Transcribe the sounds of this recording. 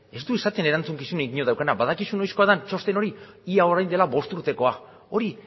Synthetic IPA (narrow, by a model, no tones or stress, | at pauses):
e̞st̪uisat̪e̞ne̞ɾant͡suŋkisuneɡiɲo̞ðawkanabaðakisuno̞jsko̞aðant͡ʃo̞st̪e̞no̞ɾi | iao̞ɾajnd̪e̞laβo̞st̪uɾt̪e̞ko̞a | o̞ɾi